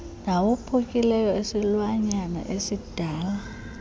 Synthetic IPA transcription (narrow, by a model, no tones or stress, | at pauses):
nawupʰukʼilɛjɔesilwaɲana̰ʔesid̥ʱaːla